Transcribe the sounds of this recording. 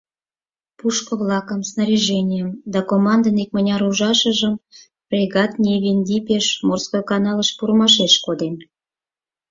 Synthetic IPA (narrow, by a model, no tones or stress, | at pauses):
puʃkə̆βlɑkəmsnəɾʲiʒenʲijəmd̪ɑkomɑnd̪ənek̚mə̆nʲɑɾuʒɑʃə̆ʒəm | prʲeɣɑt̪nʲeβʲinʲd̪ʲipʲeʃmorskojkɑnɑləʃpuɾəmɑʃeʃkod̪en